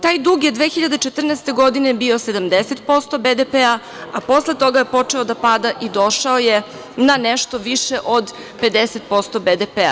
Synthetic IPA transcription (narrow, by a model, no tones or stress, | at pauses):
t̪aːjd̪uɡjed̪ʋeːxiʎad̪et͡ʃet̪r̩nɛst̪e̞ɡod̪inebio̞sed̪amd̪eset̪po̞st̪o̞bed̪epea | aposlˠe̞t̪o̞ɡajepo̞t͡ʂe̞o̞d̪apad̪aʔid̪o̞ʃaoje | nanɛʃt̪o̞ʋiʃeʔod̪ | pe̞d̪eset̪̚po̞st̪o̞bed̪epea̰